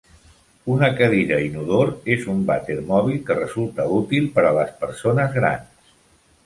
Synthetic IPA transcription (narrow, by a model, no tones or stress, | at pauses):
unəkəðiɾəinuðoɾezumbat̪eɾmɔβ̞ilˠkərəzulˠt̪əut̪ilˠpəɾələspəɾsonəzɣɾa̰nss